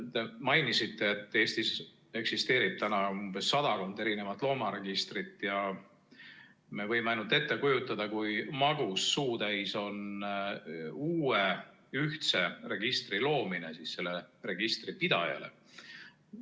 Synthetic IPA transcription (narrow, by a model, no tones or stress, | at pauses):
t̪emɑjnisit̪ːe̞ːt̪ˑːe̞ːst̪is | e̞ksist̪e̞ːɾib̥̚t̪ænɑumb̥e̞sːɑd̪̥ɑko̞nd̪e̞ɾine̞vɑt̪ːˑlo̞ːmɑɾe̞ɡ̥ist̪rit̪ːˑjɑ | me̞vɤ̞jmeɑjnult̪e̞t̪ːe̞kujut̪ːˑɑd̪̥ɑkujmɑɡ̥usːuːt̪æjso̞n | uːe | yht̪se̞re̞ɡ̥ist̪rilo̞ːmine̞sisse̞lːe̞re̞ɡ̥ist̪ripid̪̥ɑ̰jɑ̰le̞̰